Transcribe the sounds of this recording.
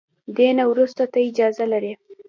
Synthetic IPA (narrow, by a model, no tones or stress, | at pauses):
d̪enawɾust̪at̪aɪd͡ʒɑzalaɾi